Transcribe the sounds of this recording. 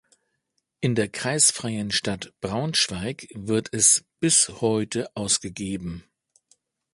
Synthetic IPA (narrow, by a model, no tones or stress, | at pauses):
ʔɪndeːɐkʁ̥aɪsfʁ̥aɪənʃtatb̥ʁaʊnʃv̥aɪkvɪɐtʰɛsb̥ɪshɔʏtʰəʔaʊsɡ̥əɡeːbm̩